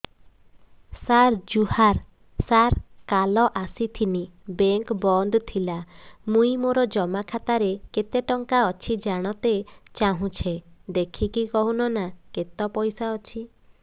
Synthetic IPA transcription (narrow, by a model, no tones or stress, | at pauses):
saɾd͡ʒuhaɾ | saɾkalɔʔasit̪ʰinibeŋkbɔnd̪ɔt̪ʰilamũĩmoɾɔd͡ʒɔmakʰat̪aɾeket̪eʈɔŋkaɔt͡ʃʰid͡ʒaɽ̃ɔt̪et͡ʃaɦũt͡ʃʰed̪ekʰikikɔɦũnɔnaket̪ɔpɔjsaɔt͡ʃʰi